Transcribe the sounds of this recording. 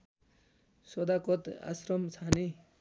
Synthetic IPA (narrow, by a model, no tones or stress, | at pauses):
sɔd̪akɔt̪a̰sɾɔmt͡sʰani